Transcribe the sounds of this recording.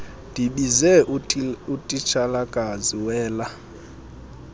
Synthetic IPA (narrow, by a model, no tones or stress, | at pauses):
d̥ʱiɓizɛutʼit͡ʃʰalakʼaziwɛːla